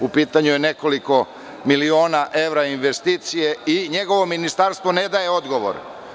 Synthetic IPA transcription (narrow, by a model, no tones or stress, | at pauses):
upiːt̪aɲujene̞ko̞liko̞ | milio̞ːnaʔe̞ʋɾainʋest̪iːt̪sijeiɲe̞ɡo̞ʋo̞minist̪aɾst̪vʋo̞ne̞d̪aje̞o̞d̪ɡo̞ʋo̰ɾ